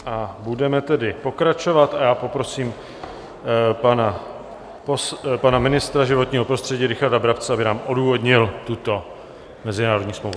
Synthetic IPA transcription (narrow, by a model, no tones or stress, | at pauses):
ʔabudɛmɛt̪ɛdɪpo̞kɾat͡ʃo̞vat̪ajaːpo̞pɾo̞siːm | pana | pospanamɪnɪst̪ɾaʒɪvo̞t̪ɲiːɦo̞pɾo̞st̪r̥ɛɟiːɾɪxaɾdabɾapt͡sɛabɪnaːmʔo̞duːvo̞dɲɪlt̪ut̪o̞ | mɛzɪnaːɾodɲiːsmlowvu